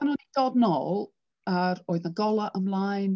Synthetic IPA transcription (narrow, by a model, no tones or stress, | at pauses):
anɔnid̥ɔdnɔlˠ | aɾoːɨðnaɡɔlˠaʔəmlˠajn